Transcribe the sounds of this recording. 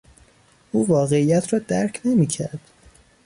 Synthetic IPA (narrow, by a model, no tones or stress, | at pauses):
ʔuːvɒːɣe̞iːjæt̪ʰɾɒːd̪æɾcʰne̞miːcʰæɾd̪̥